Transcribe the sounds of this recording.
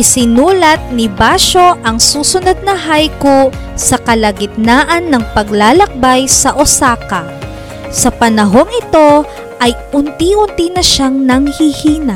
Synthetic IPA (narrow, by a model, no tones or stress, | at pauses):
ʔɪsɪnuːlɐt̪̚nɪbaʃo̞ʔɐŋsuːsʊnod̪̚nɐɦajku | sɐkɐlɐɡɪt̪̚naːʔɐnːɐŋpɐɡ̚laːlɐk̚bajsɐʔosaːkɐ | sɐpɐnɐɦo̞ŋɪt̪o̞ | ʔɐjʔʊnt̪iʔʊnt̪inɐʃaŋnɐŋhihiːnɐʔ